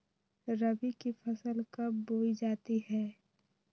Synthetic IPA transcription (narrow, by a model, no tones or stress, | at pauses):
ɾəbikifʰɐsəlkəboːid͡ʒaːt̪iɦɛː